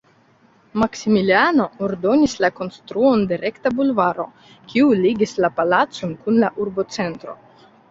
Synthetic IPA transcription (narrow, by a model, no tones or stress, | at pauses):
maksimiliano̞oɾdo̞nislako̞nst̪ɾuo̞ndeɾʔe̞ktabulvaɾo̞̰ | kʲʰiuliɡislapalat͡so̞nkunlaʔuɾbo̞t͡se̞ntɾo̞̰